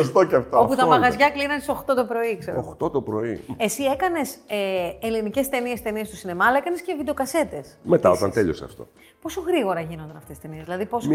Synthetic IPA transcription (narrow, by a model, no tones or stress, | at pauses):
ost̪oceɐft̪ooput̪ɐmɐɣɐzʝɐklinɐnsio̞xt̪o̞t̪o̞pɾo̞ikseɾooxt̪o̞t̪opɾo̞iesie̞kɐne̞seelinice̞st̪e̞niest̪e̞niest̪usine̞mɐːlɐekɐne̞scevid̪o̞kɐse̞t̪e̞smet̪ɐot̪ɐnt̪eʎo̰sɐ̰ft̪o̞̰ | po̞so̞ɣɾiɣo̞ɾɐʝino̞nd̪ɐnɐft̪esi̥st̪e̞niezðilɐðipo̞s